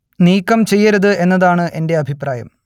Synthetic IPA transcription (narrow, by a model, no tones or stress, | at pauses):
niːkːɐmt͡ɕe̞jːɐɾɐðɨe̞nːɐðaːɳɨʔe̞nde̞ɐbʱipraːjɐ̰m